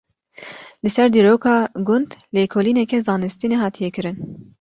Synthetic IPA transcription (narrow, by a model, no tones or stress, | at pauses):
lɨsɛɾd̪iːɾoːkʰɑːɡʊnd̪leːkʰoːliːnɛkɛzɑːnɨst̪inɛɦɑːt̪ʰijɛkɨɾɨn